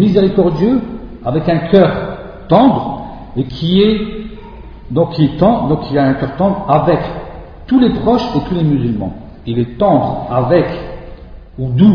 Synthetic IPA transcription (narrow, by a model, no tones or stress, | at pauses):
mizeʁikɔʁd̪jø | avɛkɛ̃kʲʰœːʁ | t̪ɑ̃d̪ʁ | ekʲʰiɛ | d̪ɔ̃kʰʲiɛt̪ɑ̃d̪ɔ̃kʰilaɛ̃kʲœʁt̪ɑ̃bʁavɛk | t̪ulepχɔʃet̪ulemyzylmɑ̰̃ | ilɛt̪ɑ̃d̪ʁavɛk | ud̪u